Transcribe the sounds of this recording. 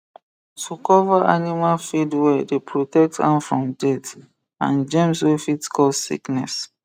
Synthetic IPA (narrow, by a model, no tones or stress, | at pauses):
tʰukɔvaʔanimalfidwɛdepʰɹotɛk̚tã̰nfɹɔ̃mdɛt | ã̰nd͡ʒɛ̃mswefitskʰɔsḭknɛs